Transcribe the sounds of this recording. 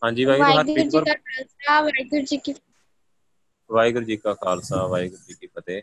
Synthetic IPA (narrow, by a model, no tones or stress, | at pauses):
ɦãːɲd͡ʒiːʋaːjɡɾəɾɡəəɾakʰaːlsaːʋaːɪɡəɾd͡ʒiki | ʋaːjɡəɾd͡ʒeːkaːkʰaːlsaːʋaːjɡəɾd͡ʒiːkipət̪eː